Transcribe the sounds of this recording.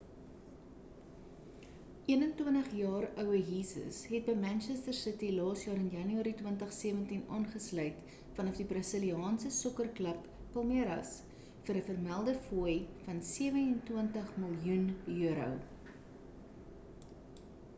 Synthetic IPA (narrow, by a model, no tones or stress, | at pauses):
ʔiənəntwəntəχjɑːrœwəɦisə̰sɦɛt̚bəjmænʃɛstərsətilɑːsjɑːɾənjɐnyɑːɾitwəntəχsiəvəntinɑːnχəslœɥt | fɐnɐfdibrɐsəliɑːnsəsɔkərkləpː | ɐlˠmeɾɐ̰s | fəɾəfərmælˠdəfujfɐnsiəvənəntwəntəχməlˠjunjøəɾə̰w